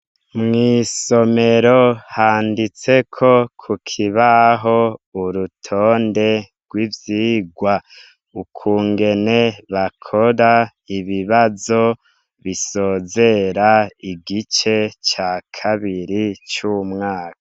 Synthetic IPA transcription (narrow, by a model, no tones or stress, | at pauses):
mŋiːso̞me̞ɾo̞haːndit͡se̞kʰo̞kʰukʰiβaɦo̞uɾutʰoːnde̞ɾɡ̥wivjiːɡwa | ukʰuːŋɡe̞ne̞βakʰo̞ɾa | iβiβazo̞ | βiso̞ːze̞ɾaiɡit͡ʃe̞t͡ʃakʰaβiɾit͡ʃumŋaːkaḁ